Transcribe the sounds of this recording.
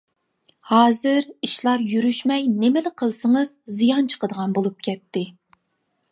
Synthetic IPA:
hɑːzɨɾiʃlˠɑɾjyɾyʃmɛjnɪmɪlɪqʰəlˠsəŋəz̥zijɑnt͡ʃʰə̥qəd̪əʁɑnbolˠup̚kʲʰɛt̪ːɪ

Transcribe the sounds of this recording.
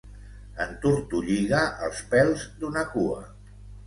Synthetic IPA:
ənt̪uɾt̪uʎiɣaʔəlˠspɛlˠzd̪unəkuə̰

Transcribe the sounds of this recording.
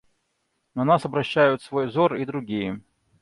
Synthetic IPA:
nɐnasɐbɾɐɕːæjʊt̪svojvzorid̪ɾʊɡʲijə

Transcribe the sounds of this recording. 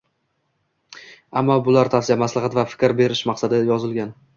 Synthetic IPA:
amːɒbʊlaɾt̪ʰafsɪjamaslɑʁɑt̪vafɪ̥kʲɾbe̞ɾɪʃmaqsad̪ɪjɒzɪlɡʲan

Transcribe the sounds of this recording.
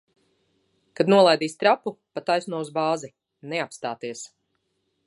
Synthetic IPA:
kad̪nuɔlˠajd̪iːst̪ɾapupat̪ajsnuɔuzbaːzi | neapst̪aːt̪iɛs

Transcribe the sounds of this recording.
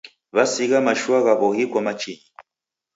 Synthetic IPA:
βasiɣamaʃuaɣaβɔhikwamat͡ʃiɲi

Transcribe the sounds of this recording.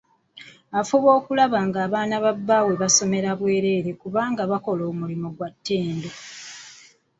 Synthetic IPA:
afuβo̞ːkulaβaŋɡaːβaːnaβabːaːwe̞βaso̞me̞ɾaβwe̞ːɾe̞ːɾe̞kuβaːŋɡaβako̞lo̞ːmulimoɡwatʰːe̞ːndo

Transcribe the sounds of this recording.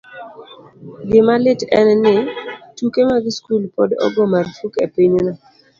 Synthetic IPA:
ɡɪmalɪtɛnnɪtukemaɡɪskulpɔdɔ̰ɡɔmarfukepiɲonɔ

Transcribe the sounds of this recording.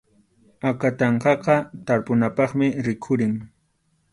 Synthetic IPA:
akat̪ɑɴqɑqɑt̪aɾpʊnapɑχmɪɾɪkʰʊɾɪŋ

